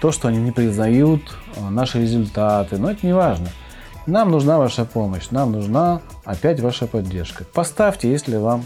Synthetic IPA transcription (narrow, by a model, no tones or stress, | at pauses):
t̪o̞ʂt̪o̞ɐnʲinʲɪpɾʲɪznɐjut̪ | naʂɨɾʲɪzʊlʲt̪at̪ɨnoɛt̪ənʲɪvaʐnə | namnʊʐnavaʂəpo̞məɕnamnʊʐna | ɐpʲætʲvaʂəpɐdʲːe̞rʂkəpɐst̪afʲtʲɪjesʲlʲɪvam